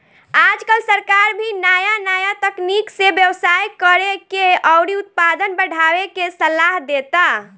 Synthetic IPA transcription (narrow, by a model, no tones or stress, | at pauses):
ad͡ʒkəlsəɾkaɾbʱinajanajat̪əkniksebjəwsajkəɾekeɔwɽiʊt̪̚pad̪ənbəɽ̤ʱawekesəlaɦd̪et̪a